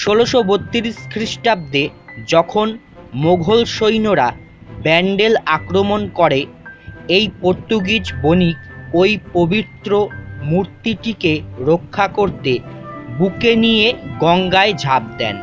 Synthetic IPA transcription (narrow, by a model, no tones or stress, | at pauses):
ʃoloʃobot̪ːiɾiʃkɾiʃʈab̚d̪ed͡ʑɔkʰon | moɡʱolʃojnoɾa | bɛɳɖelakɾomonkɔɾe | ejpoɾt̪ːuɡid͡ʑbonikojpobit̪ːɾomuɾt̪iʈikeɾokʰːakoɾt̪ebukenijeɡɔŋɡaed͡ʑʱab̚d̪ɛ̰n